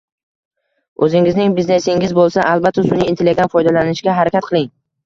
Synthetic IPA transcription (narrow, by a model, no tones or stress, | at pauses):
ɵzɪŋɪznɪŋbizne̞sɪŋʲɪzbolˠsaʔalˠbat̪ʰːsʊniːnt̪ʰeleɡʲanfɒjd̪alanɪʃɡʲaɦaɾakʲat̪̚qʰɨlˠɪŋ